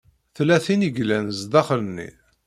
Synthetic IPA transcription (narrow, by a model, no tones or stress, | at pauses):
θlæθiniɡlænzd̪ɑχlənːḭ